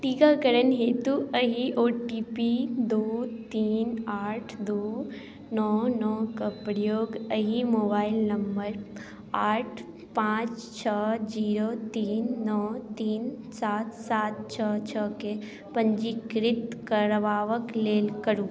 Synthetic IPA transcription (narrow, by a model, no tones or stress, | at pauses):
ʈ̪iːkaːkəɾənɦeːt̪uəɦiʔoːʈiːpid̪uːt̪iːnaːʈʰd̪uː | nɔːnɔːkɐpɾijoːɡəɦimoːbaːɪlnɐmbəɾ | aːʈʰ | pãːt͡ʃt͡ʃʰəd͡ʒiːɾot̪iːnːɔt̪iːnsaːt̪saːt̪̚t͡ʃʰət͡ʃʰəke | pə̃ɲd͡ʒikɾɪt̪kəɾʋaːʋəkleːlkəɾũ